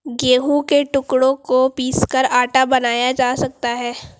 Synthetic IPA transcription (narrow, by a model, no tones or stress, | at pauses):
ɡeːɦũkeʈʊkɽõkopiːskɐɾaːʈabɐnaːjad͡ʒaːsɐk̚t̪aɦɛː